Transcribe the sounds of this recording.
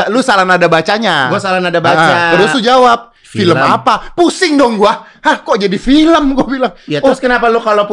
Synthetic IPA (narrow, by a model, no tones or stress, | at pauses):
lusalanadabat͡ʃaɲaɡuasalanadabat͡ʃaəɾusud͡ʒawap̚ | ffiləmapapusɪŋdɔŋɡuahahkɔʔd͡ʒadifiləmɡuabilaŋjat̪ɔɾʊskənapalukalop